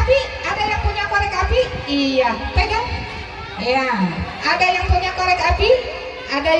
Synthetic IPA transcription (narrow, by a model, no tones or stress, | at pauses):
bi | adajaŋpuɲakoɾɛkafiijapɛɡaŋ | jaʔadajaŋpuɲakoɾɛkapi | ʔada